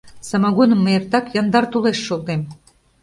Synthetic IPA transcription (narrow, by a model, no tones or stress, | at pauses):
sɑmɑɣunəmːəert̪ɑkjɑnd̪ɑrt̪uleʃːolˠt̪em